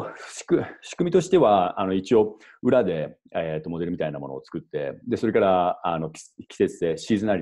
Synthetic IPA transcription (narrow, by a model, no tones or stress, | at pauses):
ɕi̥kɯɕi̥kɯ̟mʲit̪o̞ɕi̥t̪e̞βaano̞it͡ɕio̞ | ɯ̟ɾad̪e̞ | et̪ːo̞mo̞d̪e̞ɾɯ̟mit̪ainamo̞no̞̰ːt͡sɨ̥kɯ̟t̪ːe̞̰d̪e̞so̞ɾe̞kaɾaano̞kʲkʲi̥se̞t͡sɨ̥se̞ːɕiːzɨnaɾi